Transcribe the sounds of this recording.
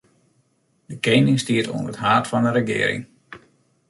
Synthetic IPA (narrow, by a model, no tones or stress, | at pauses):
dəkejnɪŋstiəto̰ənətɦaːtfɑndəɾəɡɪ̰ːɾɪ̰ŋ